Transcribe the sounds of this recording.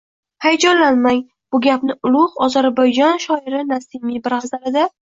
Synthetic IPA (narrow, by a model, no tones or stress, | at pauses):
hajd͡ʒɒnlanmaŋ | b̥ʊɡʲapnɪʊlˠʊʁɒzaɾbajd͡ʒɒnʃɒɪɾɪnasɪmibɪɾazaɾɪd̪a